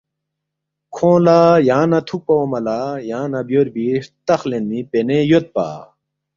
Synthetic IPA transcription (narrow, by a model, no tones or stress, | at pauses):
kʰõːlaːjaːnɐt̪ʰuk̚pɐomɐlaːjãːnɐbjoɾbiʂt̪ɐxlenipenejot̪̚pa̰ː